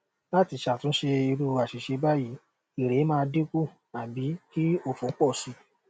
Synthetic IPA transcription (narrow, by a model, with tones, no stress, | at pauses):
la˦ti˧˨ʃa˨tũ˨˦ʃe˧i˧ɾu˦˧a˨ʃi˨ʃe˧ba˦˨ji˨˦ | i˨ɾe˨˦mãː˦˧de˦ku˦˨ | a˨bi˨˦ki˦o˦˨fo˨˦k͡pɔ˦˨si˨˧˦